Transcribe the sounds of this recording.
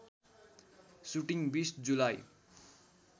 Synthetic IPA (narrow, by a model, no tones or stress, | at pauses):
suʈiŋbisd͡zulaj